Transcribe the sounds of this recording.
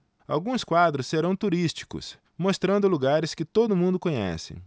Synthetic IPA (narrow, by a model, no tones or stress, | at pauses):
a̰wɡũskwad̪ɾʊsːeɾɐ̃w̃t̪uɾist͡ʃi̥kʊ̰s | most̪ɾɐ̃nd̪ʊluɡaɾɪskɪt̪od̪ʊmũnd̪ʊkõɲɛ̰sɪ̰